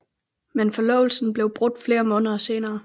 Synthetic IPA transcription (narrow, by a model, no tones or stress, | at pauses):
menfɒ̽lɔ̰̽ʊl̩sn̩b̥le̝ʊb̥ʁɔ̽ɡ̚d̥fle̝ːɐmɔ̽ːnðˠɐse̝ːnɐː